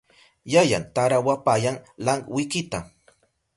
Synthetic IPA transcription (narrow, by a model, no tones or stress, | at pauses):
jaja̰nt̪aɾawapajaŋlaŋɡwɪkɪt̪a